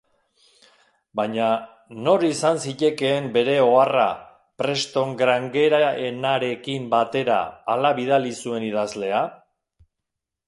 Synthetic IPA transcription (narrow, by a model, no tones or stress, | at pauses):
bajɲa | no̞ɾisansiʎe̞ke̞ːmbe̞ɾe̞o̞ara̰ | pɾe̞st̪o̞ŋɡɾaŋɡe̞ɾae̞naɾe̞kimbat̪e̞ɾa̰ːlaβiðalisue̞nið̞azle̞a